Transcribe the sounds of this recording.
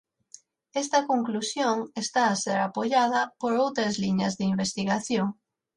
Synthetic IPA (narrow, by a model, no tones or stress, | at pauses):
est̪ɐkoŋklusjoŋest̪aːseɾapoʎað̞ɐpoɾowt̪ɾezliɲɐzðeimbest̪iɣaθjoŋ